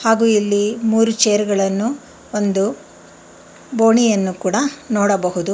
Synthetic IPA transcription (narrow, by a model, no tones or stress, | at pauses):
haːɡuːilːimuːɾut͡ʃeːɾuɡɐɭɐnːu | ond̪u | bo̞ːɳijɐnːukuːɽɐnoːɽɐbɐɦud̪u